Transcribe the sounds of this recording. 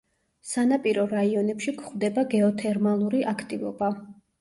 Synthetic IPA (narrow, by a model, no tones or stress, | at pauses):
sanapʼiɾɔɾaiɔnɛpʃikʰχwvd̪ɛbaɡɛɔt̪ʰɛɾmalˠuɾiʔakʰt̪ʼivɔ̰ba